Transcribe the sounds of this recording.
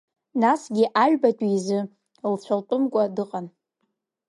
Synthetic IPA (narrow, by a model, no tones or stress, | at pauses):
nasɡʲɪʔaʒᶣbatʼiizɨ | lt͡ɕʷʰalpʷʼʊmkʷʼadɨqʼan